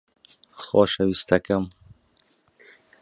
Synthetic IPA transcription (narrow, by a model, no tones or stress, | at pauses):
xoʃawist̪akam